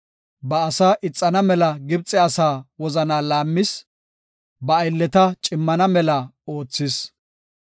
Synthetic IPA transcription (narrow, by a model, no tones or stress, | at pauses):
bɐːsaːʔɪt͡sʼːɐnɐmɛlɐɡɪbt͡sʼːɛɐsaːwɔzɐnaːlaːmːɪs | bɐːjlːɛt̪ɐt͡ʃʼɪmːɐnɐmɛlɐo̞ːt͡sːɪs